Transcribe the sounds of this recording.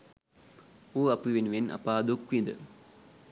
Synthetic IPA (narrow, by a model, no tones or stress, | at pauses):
uːapiʋenuʋenʔa̰paːd̪ukʋind̪ə̰